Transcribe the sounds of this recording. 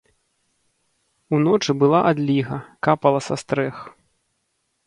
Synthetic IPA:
unɔt͡ʂɨbɨlˠaʔad̪lʲiɣɐkapɐlˠɐsast̪ɾɛx

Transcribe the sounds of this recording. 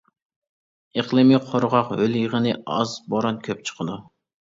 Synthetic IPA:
eqlˠɨmiqʰoɾʁɑqhøljəʁənɨɑ̰zboɾɑnkʲʰøp̚t͡ʃʰə̥qʰəd̪u

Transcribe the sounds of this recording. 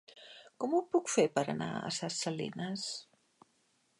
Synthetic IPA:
kɔmupukfepəɾə̰na̰ə̰sasəlḭnəs

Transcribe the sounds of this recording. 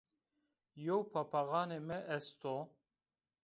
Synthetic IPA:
jowpʰapaɣɑːnemɛʔɛst̪o

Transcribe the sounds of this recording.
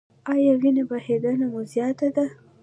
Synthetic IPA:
ɑjɑwinebahed̪anamozjɑt̪ad̪a

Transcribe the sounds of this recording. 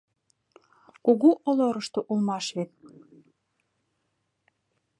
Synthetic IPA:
kuɣuʔoloɾəʃt̪oʔulˠmɑʃβet̪̚

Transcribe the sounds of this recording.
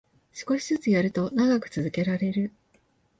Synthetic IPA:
sɨ̥ko̞ɕi̥zɨt͡sɨjaɾɯ̟t̪o̞naɡakɯ̟̥t͡sɨzɨke̞ɾaɾe̞ɾɯ̟

